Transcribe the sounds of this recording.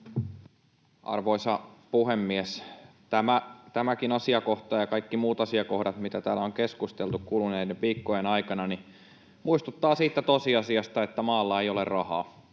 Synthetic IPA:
ʔɑ̰rʋoisɑpuhemːies | t̪æmæt̪æmækinɑsiɑko̞ht̪ɑjɑkɑikːimuːt̪ɑsiɑko̞hdɑt̪mit̪æt̪æːlːæoŋkeskust̪elt̪ukkuːluneidempiːkːojenɑjkɑnɑni | muist̪ut̪ːɑːsiːt̪ːæt̪osiɑsiɑst̪ɑet̪ːæmɑːlːɑejolerrɑhɑ̰ː

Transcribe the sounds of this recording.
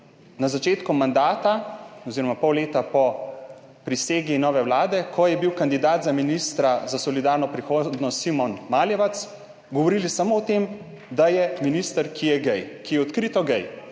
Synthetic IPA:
nazat͡ʃeːt̪kumand̪aːt̪aɔziɾɔmapɔwleːt̪apɔ | pɾiseːɡinɔːʋɛwlaːd̪ɛkʰɔjɛbiwkand̪id̪aːt̪zaminist̪ɾazasɔlid̪aːɾnɔpɾixoːd̪nɔst̪simɔnmaːljɛʋat̪s | ɡɔʋɔɾiːlisamoɔt̪em | d̪ajɛminist̪əɾkijɛɡɛjkijɛɔt̪kɾit̪ɔɡɛj

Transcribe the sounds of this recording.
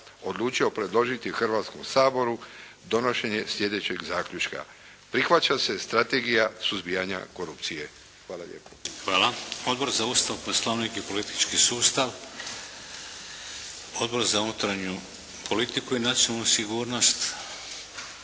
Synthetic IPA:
o̞d̪lˠuːt͡ʃio̞pɾe̞d̪lˠo̞ʒit̪ixrʋaːt̪sko̞msaːbo̞ɾu | d̪o̞no̞ʃe̞ɲe̞sʎʲe̞d̪e̞t͡ɕe̞ɡzaːkʎʲut͡ʃka̰ | pɾixʋat͡ɕase̞st̪ɾat̪e̞ɡijasuzbijaɲa̰ko̞ɾupt̪sije̞ | xʋaːla̰ʎʲʔḛːpo̥xʋaːlaod̪bo̞ɾzaust̪aʋpɾoslˠoʋnikipo̞lit̪i̥t͡ʃkisuːst̪aʋ | od̪bo̞ɾzaunut̪ɾaɲu | pʰolit̪ikuinat̪sjonalnusiɡuːɾno̞st̪

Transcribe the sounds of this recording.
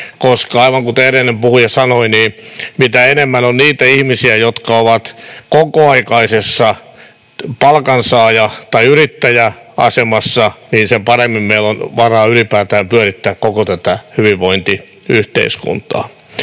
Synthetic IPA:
koskɑɑiʋɑŋkut̪erenːempuhujɑsɑnoiniːmit̪æenemːænonniːt̪æihmisiæjot̪kɑoʋɑt̪kokoɑikɑisesːɑ | pɑlkɑnsɑːjɑt̪ɑiyrit̪ːæjæ | ɑ̰semɑsːɑniːnsempɑremːimmeilonʋɑrɑːylipæːt̪æːmpyøœɾit̪ːæːkkokot̪æt̪æhyʋiʋʋoint̪i | yht̪ḛiskṵnt̪ˑɑ̰ː

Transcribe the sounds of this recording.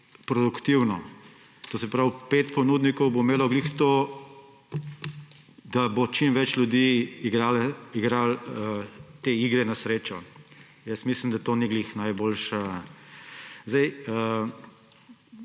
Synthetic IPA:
pɾɔd̪ukt̪iwnɔ | t̪oːsɛpɾawpeːt̪pɔnuːd̪nikɔwbomeːlɔɡlixt̪o | d̪̥abot͡ʃimʋɛt͡ʃljʊd̪iːɡɾalɛiɡɾalət̪eiːɡɾɛnɐsɾeːt͡ʃɔ | jəsmislimd̪at̪oːniɡlixnajboːlʃa | zajə

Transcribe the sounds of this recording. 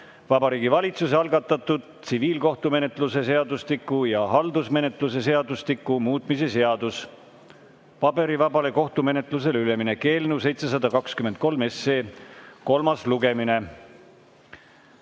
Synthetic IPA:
vɑbɑɾiːɡivɑlʲit̪suseɑlɡ̥ɑt̪ːˑɑt̪ːud̪̥̚t̪siviːlko̞ht̪ume̞ne̞t̪ˑluse̞se̞ɑd̪uslikːˑujɑɦɑld̪usme̞ne̞t̪ˑlus̬e̞se̞ɑd̪ust̪ikːˑumuːt̪ˑmise̞se̞ɑd̪us | pɑbe̞ɾivɑbɑle̞ko̞ht̪ume̞ne̞t̪ˑluse̞lyle̞mine̞ke̞ːlnus̬e̞jt̪se̞s̬ɑd̪ɑkɑkskyme̞nt̪̚ko̞lme̞seːko̞lmɑsluɡe̞mine̞

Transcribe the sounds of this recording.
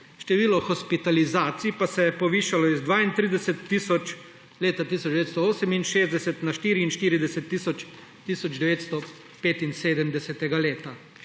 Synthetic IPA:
ʃt̪ɛʋiːlɔxɔspit̪alizaːt̪sipasɛjɛpɔʋiːʃalɔizd̪ʋaːint̪ɾiːd̪ɛsɛt̪ːiːsɔt͡ʃ | leːt̪at̪iːsɔd͡ʒd̪ɛʋeːt̪st̪ɔoːsɛminʃeːzd̪ɛsɛt̪naʃt̪iːɾiːnʃt̪iːɾid̪ɛsɛt̪ːiːsɔt͡ʃ | t̪iːsɔd͡ʒd̪ɛʋeːt̪st̪ɔ | peːt̪inseːd̪əmd̪ɛsɛt̪ɛɡaleːt̪a

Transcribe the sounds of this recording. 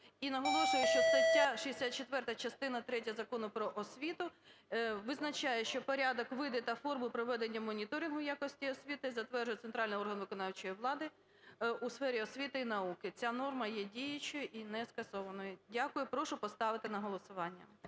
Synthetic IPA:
inɐɦɔlˠɔʃʊjʊʃt͡ʃɔst̪ɐtʲːaʃiesʲat̪̚t͡ʃet̪ʋɛrt̪ɐt͡ʃɐst̪ɪn̪ɐt̪ɾɛtʲɐɐzɐkɔnʊpɾɔʔɔsʲʋʲit̪ʊ | ʋɪznɐt͡ʃajɛʃt͡ʃɔpɔɾʲad̪ɔkʋɪd̪ɛt̪ɐfɔrmʊpɾɔʋɛd̪enʲːɐmɔnʲit̪ɔɾʲinɦʊjakɔsʲtʲiɔsʲʋʲit̪ɪzɐt̪ʋɛrʒʊjɛt̪sent̪ɾɑlʲnɪɔrɦɐnʋɪkɔnɑwt͡ʃɔjiʋlˠɑd̪ɪ | usfɛɾʲiɔsʲʋʲit̪ɪinɐukɪt͡sʲanɔrmɐjɛdʲijɐt͡ʃʊjʊʔinɛskɐsɔʋɐnɔjʊdʲakʊjʊpɾɔʃʊpɔst̪ɑʋɪt̪ɪnɐɦɔlˠɔsʊʋɑnʲːɐ̰

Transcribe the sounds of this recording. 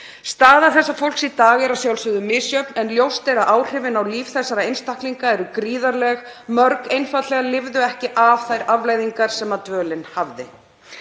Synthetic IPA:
st̪aːðaθɛsːafowl̥ksit̪aːɣɛɾasjawlsʏðʏmɪːsjœpnɛnljowst̪ejɾaʔaːwr̥ɪvɪnawliːfθɛsːaɾaejnst̪ahkliŋkaɛɾʏkɾiːðaɾlɛɣ | mœɾkejnfat̪lɛɣalɪvðʏɛhcɪʔav̥θajɾavlaːjðiŋkaɾ̥sɛmat̪vœːlɪnhavðɪ

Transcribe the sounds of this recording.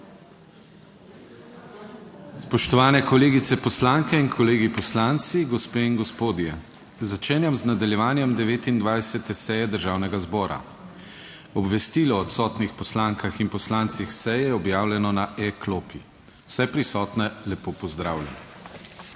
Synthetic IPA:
spɔʃt̪ɔʋaːnɛkɔleːɡit̪sɛpɔslaŋkɛinkʰɔleːɡipɔslant̪siɡɔspeːiŋɡɔspoːd̪jɛ | zat͡ʃeːnjamznad̪aljɛʋaːnjɛmd̪ɛʋeːt̪ind̪ʋajsɛt̪ɛsɛjɛd̪əɾʒaːwnɛɡazbɔːɾa̰ | ɔbʋɛst̪iːlɔːt̪sɔːt̪nixpɔslaŋkaxinpɔslant̪sixsɛjɛɔbjaːwlʲɛnɔnaʔɛkloːpi | w̥sɛpɾisɔːt̪nɛlɛpoːpɔzd̪ɾaːwljɛ̰nɔ

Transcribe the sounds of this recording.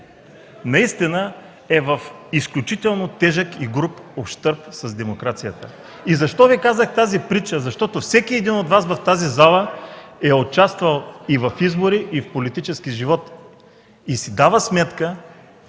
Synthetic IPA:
nɐist̪inə | ɛvɐfisklʲut͡ʃit̪ɛlˠnot̪ɛʒəkiɡɾupofʃt̪ɤɾpsɐzd̪ɛmokɾat̪sijət̪ə | izɐʃt̪ɔvikazəxt̪azipɾit͡ʃəzɐʃt̪ɔt̪ofsɛk̟iɛd̪inod̪vasvɐft̪azizalˠəɛot͡ʃast̪vɐlˠivɐfizboɾiʔifpolit̪it͡ʃɛskiʒivɔt̪ | isid̪avəsmɛt̪kə

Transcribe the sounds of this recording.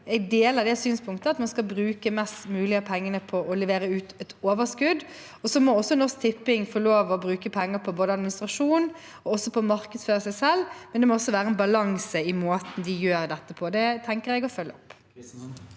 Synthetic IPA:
ɛɡ̚d̪eːləʁd̪ɛsyːnspʰʊŋkt̪əɑt̪mɑnskɑbɾʉːkəmɛst̪mʉːlɪəpʰɛŋːənəpʰɔʔɔlɛʋeːɾəʉːt̪ɛt̪oːʋəskʉd̪ | ɔsɔmɔɔsːɔnɔʁsk̚t̪ʰɪpːɪŋfɔɭoːʋɔbɾʉːkəpʰɛŋːəpʰɔboːd̪əɑd̪mɪnɪst̪ɾɑʂuːn | ɔɔsːɔpʰɔmɑɾkəd̪sføːɾəsæɪsɛlːmɛnd̪ɛmɔɔsːɔʋæːɾəɛnbɑlɑŋsəɪmoːt̪nd̪ɪjøːɾd̪ɛt̪ːəpʰɔd̪ɛt̪ʰɛŋkəɾɛɡɔfœlːəɔpː

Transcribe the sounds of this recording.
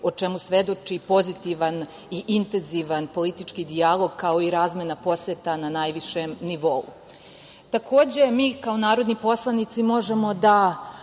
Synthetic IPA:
ot͡ʃe̞musʋe̞d̪o̞t͡ʃipo̞zit̪iʋan | iʔint̪enziʋanpo̞lit̪it͡ʃkid̪ialˠo̞ɡkao̞iɾaːzmenapo̞set̪ananajʋiʃemniʋo̞ṵ | t̪ako̞ːd͡ʑe̞miːkaonaːɾo̞d̪nipo̞slˠanit̪simo̞ʒemo̞d̪a

